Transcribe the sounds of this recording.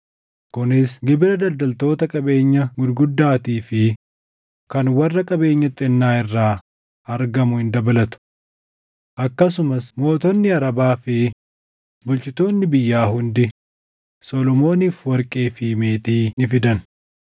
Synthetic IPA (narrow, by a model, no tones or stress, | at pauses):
kʊnɪsɡɪbɪɾɐd̪ɐld̪ɐlt̪o̞ːt̪ɐkʼɐbe̞ːɲːɐɡʊd̪ɡʊd̪ːaːt̪iːfɪ | kɐnwɐrːɐkʼɐbe̞ːɲːɐt̪ʼːɛnːaːɪrːaː | ɐɾɡɐmʊhɪnd̪ɐbɐlɐt̪ʊ̥ | ʔɐkːɐs̬ʊmɐsmo̞ːt̪ɔnːɪɐɾɐbaːfɪ | bʊlt͡ʃʼɪt̪o̞ːnːɪbɪjːaːɦʊnd̪ɪ | sɔlɔmo̞ːniːfwɐɾkʼeːfiːmeːt̪iːnɪfɪd̪ɐn